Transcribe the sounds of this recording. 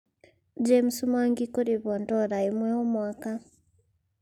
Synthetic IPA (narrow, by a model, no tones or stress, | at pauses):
d͡ʒem̩sumaŋɡikoɾeβɔntɔɾaemwɛɔmwaka